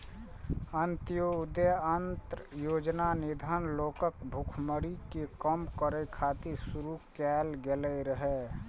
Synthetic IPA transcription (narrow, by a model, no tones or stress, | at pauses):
ənt̪jod̪əənt̪ɾəjoːd͡ʒnanid̪ʱanloːkəkbʱukʰməɽikekəmkəɾəkʰat̪iɾsuɾukɛlɡelɛɾəɦɛ